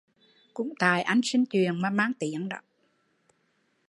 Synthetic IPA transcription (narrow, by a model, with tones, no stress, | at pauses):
kʊ̰˧˥ŋ͡mt̪aː˨˩jʔa˧jŋ̟si˧ŋ̟t͡ɕwi˨˩ənmaː˨˩maː˧ŋt̪i˨˦əŋɗə̰˧˨˦w